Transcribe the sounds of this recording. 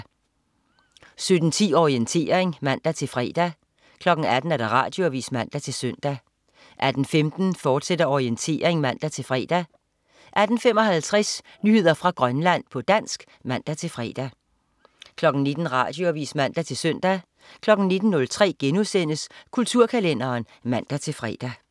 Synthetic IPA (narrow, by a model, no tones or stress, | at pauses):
sød̥n̩t͡sʰḭːɒʁient͡sʰe̝̰ːɐeŋmæn̰d̥æt͡sʰe̝lfʁɛ̰ːd̥æ | kʰlɒ̽ɡ̥n̩æd̥n̩æɐd̥ɑ̈ʁɑ̰̈ːd̥jo̝æʋḭːsmæn̰d̥æt͡sʰe̝lsøn̰d̥æ | ʔæd̥n̩femd̥n̩fɒːd̥sed̥ɐɒʁient͡sʰe̝̰ːɐeŋmæn̰d̥æt͡sʰe̝lfʁɛ̰ːd̥æ | ʔæd̥n̩femɒ̽ɦælt͡sʰʁɛs | nyhe̝ð̞̰ˠɐfʁɑ̈ɡ̥ʁɶnlæn̰pʰɒ̽d̥æn̰sɡ̥ | mæn̰d̥æt͡sʰe̝lfʁɛ̰ːd̥æ | kʰlɒ̽ɡ̥n̩ned̥n̩ʁɑ̰̈d̥jo̝æʋḭːsmæn̰d̥æt͡sʰe̝lsøn̰d̥æ | kʰlɒ̽ɡ̥n̩ne̝d̥n̩nːɔ̽lt͡sʰʁɛ̰ːɡ̥enuðˠsen̰əskʰult͡sʰuɐ̰kʰælen̰ɐːn | mæn̰d̥æt͡sʰe̝lfʁɛ̰ːd̥æ